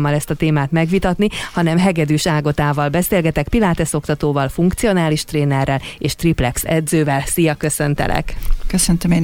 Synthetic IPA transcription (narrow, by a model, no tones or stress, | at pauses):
mːɒlɛst̪ɒt̪eːmaːt̪mɛɡʋit̪ɒt̪nihɒnɛmɦɛɡɛd̪yːʃaːɡo̞t̪aːvɒlbɛseːlɡɛt̪ɛkpilaːt̪ɛso̞kt̪ɒt̪oːvɒlfuŋkt̪sijo̞naːliʃt̪reːnɛrːɛleːʃt̪riplɛksɛd̪zøːvɛlsijɒkø̞sø̞nt̪ɛ̰lʔɛ̰kkøsønt̪ømeːn